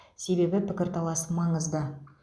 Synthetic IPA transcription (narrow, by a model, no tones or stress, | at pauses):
se̞be̞bɪpɪkʲɪɾt̪ʰɑlˠɑsmɑɴəzd̪ə